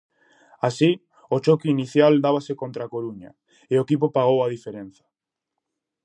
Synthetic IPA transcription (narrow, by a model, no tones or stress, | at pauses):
asi | ot͡ʃokeiniθjald̪aβ̞asekont̪ɾakoɾuɲa̰ | eoekip̬opaɣ̞owað̞ifeɾẽn̟θḁ